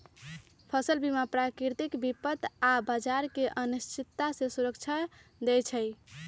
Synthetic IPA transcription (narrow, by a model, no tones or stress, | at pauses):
pʰəsəlbimapɾakɾiɾt̪ikbipət̪abad͡ʒaɾkeʔənist̪ʰit̪ːasẽsuɾəkt͡ʃʰad̪ɛjt͡ʃʰəj